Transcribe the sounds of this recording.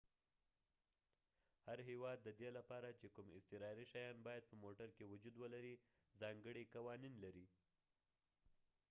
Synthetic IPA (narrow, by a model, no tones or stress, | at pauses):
haɾɦewɑd̪ːəd̪elapɑɾat͡ʃekumɪ̰st̪ɪɾɑɾiʃajɑnbɑjad̪̚pəmoʈaɾkewʊd͡ʒud̪wəlaɾi | zɑŋɡəɽikawɑninlaɾi